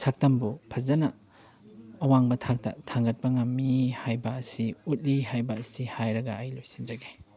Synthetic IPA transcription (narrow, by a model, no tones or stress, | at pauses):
sak̚tɐmbupʰɐzɐnɐː | waŋbɐtʰak̚tɐ̰tʰaŋɡɐt̚pɐŋɐmːihajbɐːsiut̚lihajbɐːsihajɾɐɡɐːjlojsind͡ʒɐɡe